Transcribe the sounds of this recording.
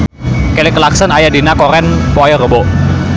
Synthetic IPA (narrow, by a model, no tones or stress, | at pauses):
kɛlɪkəlaksənajadinakɔɾɛnpɔjɔrəbo